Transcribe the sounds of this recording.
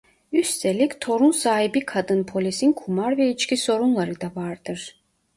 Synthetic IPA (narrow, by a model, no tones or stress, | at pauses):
yst̪ʰelʲicʲt̪ʰo̞ɾunsaːɦibikʰad̪ɯnpʰo̞lʲisinkʰumaɾvɛit͡ʃkcʰʲiso̞ɾunlˠaɾɯd̪avaɾd̪̥ɯɾ̥